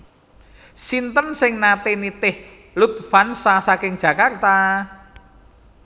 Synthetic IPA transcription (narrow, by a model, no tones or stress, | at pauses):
sint̪ənsɪŋnat̪enit̪ɪh | lut̪̚fansasakɪŋ̥ʒ̥a̤kart̪a